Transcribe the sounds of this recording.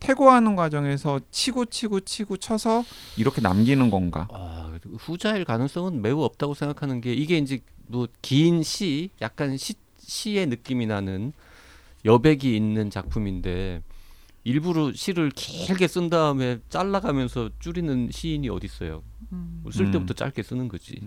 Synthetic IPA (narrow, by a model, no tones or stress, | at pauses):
tʰe̞ɡoɦanɯnɡwad͡ʑʌŋe̞sʰʌt͡ɕʰiɡot͡ɕʰiɡot͡ɕʰiɡot͡ɕʰʌsʰʌiɾʌkʰe̞na̰mɡinɯnɡʌnɡa̰aɸud͡ʑaiɭkanɯŋs͈ʌŋɯnme̞uʌp̚t͈aɡosʰeŋɡakʰanɯnɡe̞iɡe̞ind͡ʑe̞mʌkiːnɕʰijak̚k͈anɕʰi | ɕʰie̞nɯk͈iminanɯn | jʌbe̞ɡiːnːɯnt͡ɕak̚pʰuminde̞ | iɭbuɾoɕʰiɾɯɭkeɭɡe̞s͈ɯndaɯme̞t͡ɕ͈aɭːaɡamjʌnsʰʌt͡ɕ͈uɾinɯnɕʰiːɲiʌ̰dis͈ʌjo̰mos͈ɯɭt͈e̞butʰʌt͡ɕ͈a̰ɭk͈e̞s͈ɯnɯnɡʌd͡ʑḭ